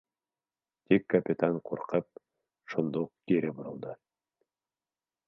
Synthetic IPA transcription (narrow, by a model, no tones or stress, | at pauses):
t̪ikːɐpʲɪt̪aɴqṵɾqɤp̚ | ʃond̪uq̚kiɾɘboɾɤ̆lˠd̪ɤ